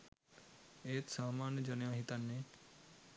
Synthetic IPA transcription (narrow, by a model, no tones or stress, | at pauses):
eːt̪saːmaːnjəd͡ʒɐnjãːɦit̪anːe